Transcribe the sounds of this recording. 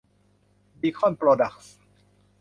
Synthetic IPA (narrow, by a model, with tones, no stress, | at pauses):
bi˧kʰɔ˥npɾoː˧da˨˩k̚s